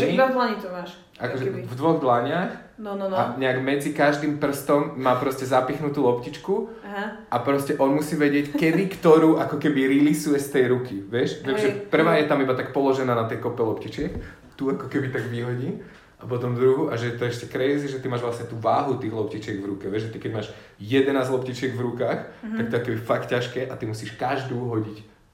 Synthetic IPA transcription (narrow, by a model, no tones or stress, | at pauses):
ɛibad̪laɲit̪ɔmaːʃ | ʔakɔʒɛvd̪ʋɔɣd̪laɲaːx | naɲɛaɡmɛd͡zikaʒd̪impr̩st̪ɔmːaːpɾɔscɛzapixnut̪uːlɔpcit͡ʃku | ɦ | ʔapɾɔscɛʔɔnmusiːʋɛɟɪɛckɛd̪ikt̪ɔɾuːʔakɔkɛbiɾilisujɛst̪ɛjɾukiʋɪɛʃt̪ɛmʒɛpr̩ʋaːjɛt̪amibat̪akpɔlɔʒɛnaːnat̪ɛjkɔpɛlɔpcit͡ʃɪɛk | t̪uakɔkɛbit̪aɡʋiɦɔɟiː | ap̬ɔt̪ɔmd̪ɾuɦuːʔaʒɛɛt̪ɔɛʃcɛkɾɛziʒɛt̪imaːʒʋlasɲɛt̪uːʋaːɦut̪iːɣlɔpcit͡ʃɪɛɡvɾukɛʋɛʒʒɛt̪ikɛɟmaːʒ | jɛd̪ɛnaːzlɔpcit͡ʃɪɛɡvɾukaːxt̪ak̚t̪ɔɛakɔkɛbifakcːaʃkɛːʔat̪imusiːʃkaʒd̪uːɦɔɟic